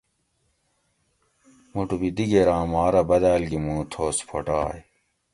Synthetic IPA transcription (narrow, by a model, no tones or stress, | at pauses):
muʈubid̪iɡeɾãːmaːɾɐbɐd̪aːlɡimũːt̪ʰoːspʰo̰ʈaːj